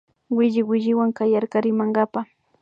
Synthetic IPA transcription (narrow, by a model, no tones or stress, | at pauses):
wɪʎɪwɪʎɪwaŋkajaɾkaɾɪmaŋɡapa